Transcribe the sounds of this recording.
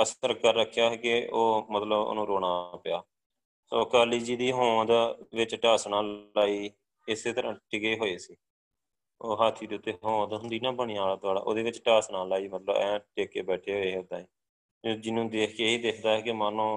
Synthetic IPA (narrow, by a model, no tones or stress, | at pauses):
əsəɾkəɾːəkʰːjaːɦɛːkɪoːmət̪ləbo̰nũːɾoːɽ̃aːpɪjaː | soːkaːliːd͡ʒiːd̪iːɦõːd̪ʋɪt͡ʃʈaːsnãːlaːiː | ɪseːt̪əɾãːʈɪɡeːɦoːeːsiː | oːɦaːt̪ʰiːd̪eːʊt̪ːeːɦõːd̪ɦʊnd̪iːnãːbəɳ̃ĩːaːlaːt̪ʊaːɖa̰ːʔo̰ːd̪eːʋɪt͡ʃʈaːsnaːlaːiːmət̪ləbɛ̰̃ːʈeːkeːbɛːʈʰeːɦoːeːɦoːd̪aːẽː | d͡ʒɪnːũːd̪eːkʰkeːiːd̪eːkʰd̪aːɛːkɪmaːnõː